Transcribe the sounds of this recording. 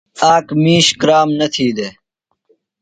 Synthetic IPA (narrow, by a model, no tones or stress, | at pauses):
aːkmiːɕkɾaːmnɐt̪ʰiːd̪eː